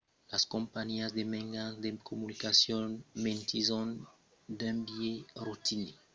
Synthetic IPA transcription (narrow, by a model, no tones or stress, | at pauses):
laskɔ̃mpaɲiazd̪emɛ̃ŋɡãd̪ekʰomunikasjɔ̃nmẽnt̪izɔ̃n | d̪ɛ̃mbjeɾut̪ini